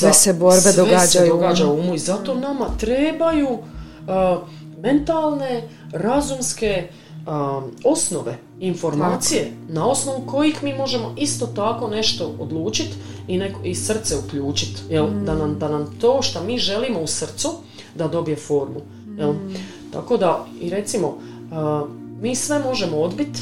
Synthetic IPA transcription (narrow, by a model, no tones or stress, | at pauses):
seseboɾbed̪oeɡad͡ʒd̪oɡaːd͡ʒauuːmuizat̪o̞ːnamat̪ɾeːbajuː | me̞nt̪alˠne̞ | ɾazumske̞ | o̞sno̞ʋe̞ | info̞ɾmaːt̪ije̞nao̞sno̞ʋuko̞jixmiːmo̞ʒe̞mo̞ist̪o̞ːt̪ako̞ːne̞ʃt̪o̞o̰d̪lˠuːt͡ʃit̪inekoisr̩t̪se̞ukʎuːt͡ʃit̪jeld̪anamd̪anamt̪oːʃt̪amiːʒe̞limo̞usr̩t̪su | d̪ad̪o̞bije̞fo̞ːɾmu | jel | t̪a̰ko̞d̪aiɾe̞t̪simo̞ | ə | miːsʋe̞mo̞ʒe̞mood̪bit̪